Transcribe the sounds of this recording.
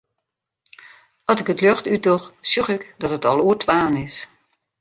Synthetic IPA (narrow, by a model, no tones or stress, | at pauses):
ɔsɪkətløxtytɔxsjuxɪkdɔtətɔlˠuːətʰʋaːnɪs